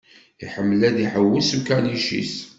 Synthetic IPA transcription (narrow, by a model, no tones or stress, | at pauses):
iħəmːəlæd̪iħəwːəlsukːæniʃḭs